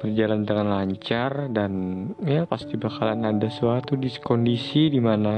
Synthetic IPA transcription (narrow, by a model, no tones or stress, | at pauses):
b̥ərd͡ʒaland̪əŋanlaɲt͡ʃardanjapast̪ibakalanadasəwat̪udiskɔndisidimana